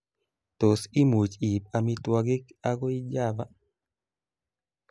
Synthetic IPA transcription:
to˨si˦mu˨t͡ʃi˨p̚a˨mi˦twa˦ɡɪ˦ka˦ɡɔ˦i˦d͡ʒa˦˨ba˦

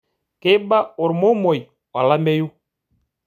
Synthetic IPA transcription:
ke˦ba˦ʊ˨ɾmo˦mɔ˨ji˨ | wa˨la˦mɛ˦ju˦

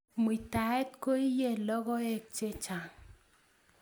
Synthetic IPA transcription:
mu˨i˨ta˨ɛ˦t̚ko˦i˦je˦lɔ˦ɡɔ˦ɛ˦k̚t͡ʃe˦t͡ʃa˨ŋ

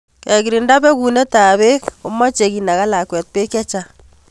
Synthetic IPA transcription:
kɛ˨ki˨ɾi˨nda˦pɛ˦ku˨ne˦ta˨βe˦ko˦mɔ˦t͡ʃe˨ki˨na˨ka˦la˨kwɛ˨t̚pe˦kjɛ˦t͡ʃa˦

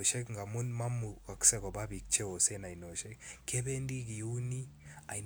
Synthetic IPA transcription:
ʃɛ˦kŋɡa˨mʊ˦nma˦mu˨ka˨ksɛ˦kɔ˨ba˦bi˨k̚t͡ʃe˦o˨se˦na˨ino˨ʃɛ˦kkɛ˦bɛ˦ndi˦ki˨u˦ni˦a˨i

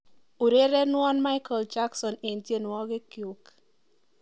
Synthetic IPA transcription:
u˨ɾe˦ɾe˦nwɔ˦nma˦ɪkɔ˨ld͡ʒa˦ksɔ˨ne˨ntje˦nwɔ˦ɡɪ˦kjʊ˨k

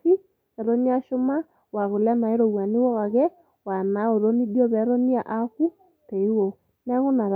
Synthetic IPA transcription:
i˦ | ɛ˨ɾo˦ni˦a˦ʃo˦ma˦ | wa˨ɣo˨lja˦na˨e˦ɾo˨wa˨ni˦wɔ˦ɣa˨ɣɛ˦ | wa˨na˨˦o˨ɾo˦ni˦djɔ˦βɛ˨˦ɾɔ˦ni˦a˨ʔa˦ku˦ | te˨i˦wo˨ | nɛ˦ɣo˦na˨ɾ

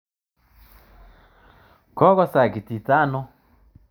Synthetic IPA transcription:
kɔ˦kɔ˦sa˨ki˨ti˨ta˦nɔ˦

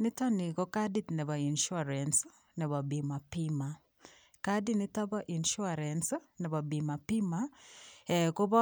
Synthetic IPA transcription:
nɪ˦tɔ˦nɪ˨kɔ˦ka˦di˦tnɛ˨ba˨i˨nʃu˦a˨ɾɛ˨ns | nɛ˨βɔ˨bi˨ma˨pɪma˨ | ka˦di˦nɪ˦tɔ˦bɔ˦ʔi˨nʃu˦a˨ɾɛnsnɛ˨ba˨bi˨ma˨pɪ˦ma˦ɛko˦bɔ˦

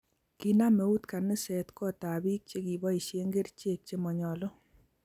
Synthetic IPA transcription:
ki˨na˦me˨˦u˦tka˨nɪ˦sɛ˨tkɔ˦ta˨bi˦k̚t͡ʃe˦ki˨bɔ˦i˨ʃe˦ŋɡe˦rt͡ʃe˦˨k̚t͡ʃe˦mɔ˨ɲɔ˨lɔ˦

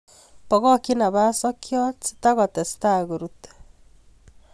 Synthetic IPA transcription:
pɔ˨ɣɔ˦ki˦na˨ba˦sɔ˦kjɔ˦tsi̥ta˦ɣɔ˨tɛ˨sta˦ɡu˨ɾut

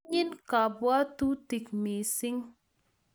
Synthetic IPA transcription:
ɲi˦nka˨bwa˦tu˦ti˨kmi˨si˦ŋ

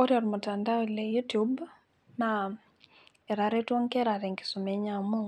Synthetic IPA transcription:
ɔ˦ɾjɔɾmota˨nda˦ɔi˨lɛjutub | na | ɛ˨ɾa˨ɾɛtwɔ˦ŋkɛɾaɾɛ˨ŋki̥su˨mɛ˨ɲa˨mu˦ŋ

